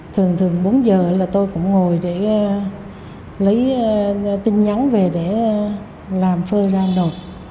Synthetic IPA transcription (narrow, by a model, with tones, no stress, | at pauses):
t̪ʰɨ˨˩əŋt̪ʰɨ˨˩əŋɓo˨˦nzəː˨˩ə˨˦laː˨˩t̪o˧jkʊ̰˧˥ŋ͡mŋo˨˩jɗe˧˩˧ | lə˨˦jt̪i˧nɲa˨˦ŋ͡mve˨˩ɗe˧˩˧ | laː˨˩mfəː˧zaː˧ɗo˨˩t̚